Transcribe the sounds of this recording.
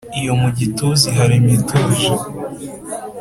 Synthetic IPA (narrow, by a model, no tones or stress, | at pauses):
ijo̞muɟituziɦaɾimituːʒi